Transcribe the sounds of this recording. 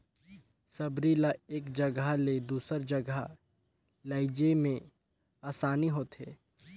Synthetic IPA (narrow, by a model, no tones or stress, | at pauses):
sɐbɾilaeːkd͡ʒɐɡaled̪uːsəɾd͡ʒɐɡa | ləɪd͡ʒemẽ | aːsaːniɦoːt̪ɦeː